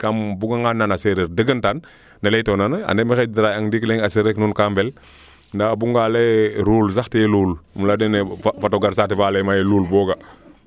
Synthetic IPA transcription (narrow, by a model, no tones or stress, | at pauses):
kambuɡaŋanːanaseɾeɾdəɡəntan | nalejtonana̰ndemixediɾajaŋdikleŋaseɾeknunkambɛl | ndabuŋɡaleɾulsaxtijeluːlmladeneffatoɡaɾsativaːlemajeluːlbɔːɡa